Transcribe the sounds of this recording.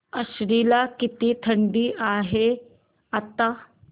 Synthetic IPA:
ɐʃɾiːlakɪt̪it̪ʰɐɳɖiʔaːɦe | ɐt̪a

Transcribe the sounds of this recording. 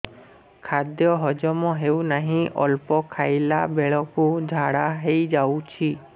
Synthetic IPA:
kʰad̪jɔɦɔd͡ʒɔmɔɦewnaɦĩʔɔ̰lpɔkʰajlabeɭɔkud͡ʒʱaɽaɦejd͡ʒawt͡ʃʰi

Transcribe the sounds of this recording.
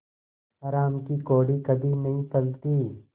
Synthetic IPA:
ɐːɾaːmkikoːɽikɐbʱinɐɦĩpɐlt̪iː

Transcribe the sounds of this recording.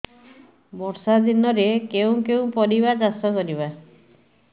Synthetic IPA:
bɔɾsad̪inɔɾekew̃kew̃pɔɾiβad͡ʒast̪ɔkɔɾiβa

